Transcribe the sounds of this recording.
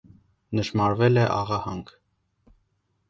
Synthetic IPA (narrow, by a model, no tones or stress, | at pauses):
nəʃmɑɾvɛlɛʔɑʁɑhɑŋk